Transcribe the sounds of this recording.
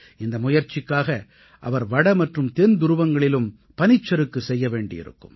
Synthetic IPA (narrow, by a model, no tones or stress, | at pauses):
ɪnd̪ɐmʊjɐɾt͡ʃːɪkːaːɣɐ | ʔɐ̰ʋɐɾʋɐɽɐmɐʈrɯmt̪ɛnd̪ʊɾɯʋɐŋɡɐɭɪlɯm | pɐnɪt͡ʃːɐɾɯkːɯsɛjːɐʋeːɳɖɪ̰jɪ̰ɾɯ̰kːɯ̰m